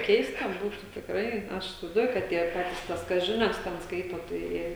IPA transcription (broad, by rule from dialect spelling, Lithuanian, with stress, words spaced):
ˈkʲɛɪstɐ ˈbuːtʊ tʲɪkˈrɐɪ ˈɐʃ ɪsʲɪʋɐɪzˈduɔjʊ kɐt ˈtʲiɛ ˈpɑːtʲɪs ˈtɐs ˈkɐs ˈʒʲɪnʲɛs tʲɛn ˈskɐɪtoː tɐɪ ˈjiɛ